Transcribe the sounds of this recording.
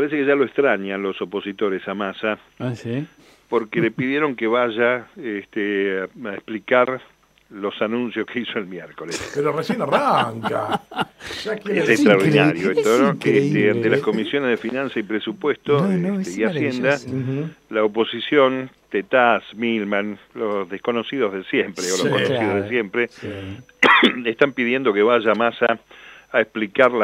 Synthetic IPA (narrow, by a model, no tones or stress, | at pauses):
paɾes̬ekeʒaloekst̪ɾaɲanlo̞so̞po̞sit̪o̞ɾesamasa | s | po̞ɾkelepiðjeɾo̞ŋkeβaʒaest̪eaehplikaɾ | lo̞sanũnsjo̞skeisoelmjeɾko̞lespeɾoresenaraŋka | esekst̪ɾaoɾðinaɾjoest̪onokest̪eant̪elasko̞misjo̞nezðefinãnsaipɾesupwest̪oest̪eiasjend̪a | laopo̞sisjo̞nt̪et̪asmilmanlosðehko̞nosiðozðesjempɾeolokoensiðoðesjempɾe | eht̪ampiðje̞nd̪o̞keβaʒamasaː | ehplikaɾla